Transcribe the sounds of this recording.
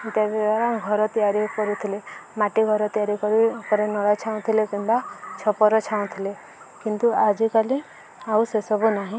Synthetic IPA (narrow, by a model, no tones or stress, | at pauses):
t̪ebed̪aɾaɡʱɔɾɔt̪ijaɾikɔɾut̪ʰilemaʈiɡʱɔɾɔt̪ijaɾikɔɾikɔɾenɔɽat͡ʃʰaũt̪ʰilekimbat͡ʃʰɔpɔɾɔt͡ʃʰaũt̪ʰile | kint̪uad͡ʒikalĩ | ausesɔbunaɦĩ